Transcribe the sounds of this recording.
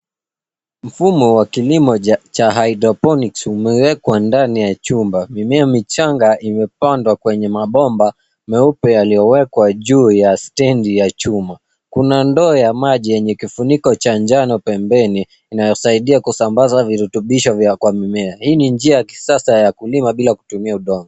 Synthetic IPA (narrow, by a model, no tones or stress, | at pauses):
m̩fumɔwakilimɔt͡ʃaɦaidɾɔpɔniksumɛwɛkwandanijat͡ʃumbamimɛamit͡ʃaŋɡaʔimɛpandwakwɛɲɛmaɓɔmba | mɛupɛjalijɔwɛkwaʄuːjastɛndijat͡ʃuma | kunandɔːjamaʄijɛɲɛkifunikɔt͡ʃaɲd͡ʒanɔpɛmbɛniː | najɔsaiɗiakusambazaviɾutuɓiʃɔvjakwamimɛahiːniɲd͡ʒiajaki̥sasajakulimaɓilaku̥tumiauɗɔŋɡɔ